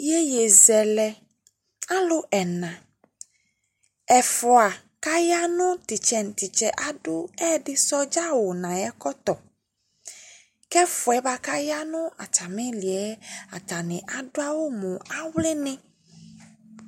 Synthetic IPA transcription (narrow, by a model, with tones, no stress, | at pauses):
je˦je˨zɛ˨lɛ˨ | a˦lo˦ʔɛ˨nã˨ | ɛ˨fɔ˨a˨ | ka˦ja˦nũ˦t̪i˨t͡ʃɛ˨n˨t̪i˨t͡ʃɛ˨ʔa˨ɖu˦ɛ˦ɖi˦sɔ˦d͡ʒa˦wo˨nã˨jɛ˦kɔ˦t̪ɔ˨ | kɛ˦fʊ˨ɛ˦ba˦ka˦ja˦nũ˦a̰˨t͡ʃa˨mẽ˦li˨ɛ˦a˨ta˨nĩ˨ʔa˨ɖo˦a˦wo˦mũ˨a˦wle˦nɪ̃˦